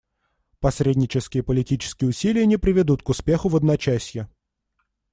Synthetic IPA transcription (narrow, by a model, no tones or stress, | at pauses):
pɐsɾʲedʲnʲɪt͡ɕɪskʲɪjəpəlʲɪtʲit͡ɕɪ̥skʲɪjəʊsʲilʲɪjənʲɪpɾʲɪvʲɪd̪ut̪̚kʊspʲe̞xʊvəd̪nɐt͡ɕæsʲjɪ